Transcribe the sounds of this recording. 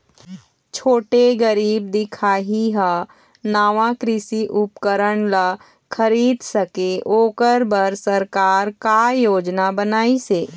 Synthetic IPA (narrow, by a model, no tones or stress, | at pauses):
t͡ʃʰoːʈeɡəɾiːb̚d̪ɪkʰaːɦiɦa | naːʋãkɾɪsiʔʊpkəɾəɳ̃la | kʰəɾiːd̪sɐkeʔoːkəɾbəɾsəɾkaːɾkajoːd͡ʒnabənaːiseː